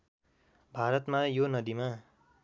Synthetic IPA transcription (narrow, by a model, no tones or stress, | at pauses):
bʱaɾʌt̪majonʌd̪ima